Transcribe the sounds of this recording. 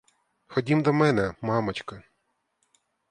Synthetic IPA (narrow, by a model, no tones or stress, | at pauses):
xɔdʲimd̪ɔmɛnɛmɑmɐt͡ʃkɐ